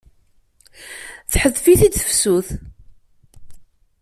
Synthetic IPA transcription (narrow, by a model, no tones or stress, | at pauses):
θħəðfiθid̪θəfsuθ